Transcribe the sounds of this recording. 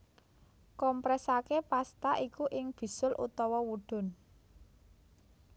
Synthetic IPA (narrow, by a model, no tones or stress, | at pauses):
kɔmpɾɛsakepast̪aʔikuʔɪŋb̥i̤sʊlʔṵt̪ɔwɔwuɖ̪̥ʊ̤n